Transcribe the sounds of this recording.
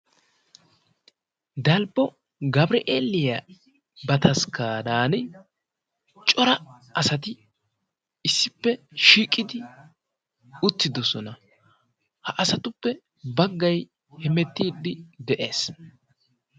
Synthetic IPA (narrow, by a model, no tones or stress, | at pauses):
d̪ɐlbːɔ | ɡɐbɾɪʔeːlːɪjɐ | bɐt̪ɐskaːd̪aːn | t͡ʃʼɔɾɐ | ɐsɐt̪ɪ | ɪsːɪpːɛʃiːkʼːɪd̪ɪ | ʊt̪ːɪd̪ɔsɔnɐ | hɐʔɐsɐt̪ʊpːɛ | bɐɡːɐj | hɛmɛt̪ːiːd̪ːɪd̪ɛʔe̞ːs